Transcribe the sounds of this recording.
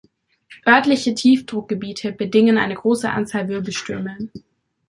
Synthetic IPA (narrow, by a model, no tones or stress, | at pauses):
ʔœɐtlɪçətʰiːfd̥ʁʊk̚ɡ̥əbiːtʰəbədɪŋənʔa̰ɪnəɡʁoːsəʔa̰nt͡saːlvʏɐbl̩ʃtʏɐmən